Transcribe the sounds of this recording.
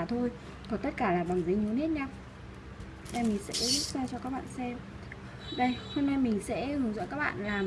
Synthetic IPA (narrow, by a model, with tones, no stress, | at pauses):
t̪ʰo˧j | kɔ˨˩˦t̪ə˦˥t̚kaː˧˩laː˨˩ɓa˨˩ŋzə˨˦ɲu˨˦nhe˦˥t̚ɲa˧ | ɗa˧˩jmï˨˩ŋ̟sɛ̰˧˥zu˦˥t̚zaː˧t͡ɕɔ˧kaː˦˥k̚ɓa̰ː˧˨nsɛ˧m | ɗə˧jho˧nːa˧jmï˨˩ŋ̟sɛ̰˧˥hɨ˧˩əŋzɔ̰˧˥kaː˦˥ɓa̰ː˧˨nlaː˨˩m